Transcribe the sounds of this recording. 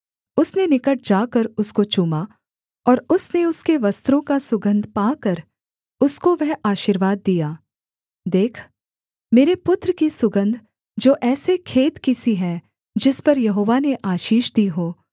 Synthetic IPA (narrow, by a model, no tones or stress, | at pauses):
ʊsnenɪkəʈ̚d͡ʒaːkəɾʊskot͡ʃuːma | ɔːɾʊsneʊskeʋɐst̪ɾõkasʊɡə̃nd̪ʱpaːkɐɾ | ʊskoʋɛɦaːʃiɾʋaːd̪ːijaː | d̪eːkʰ | meːɾepʊt̪ɾəkisʊɡə̃nd̪ʱ | d͡ʒoːʔɛːsekʰeːt̪kisiɦɛ̃ | d͡ʒɪspɐɾjɐɦoːʋaneʔaːʃiːʃd̪iːɦoː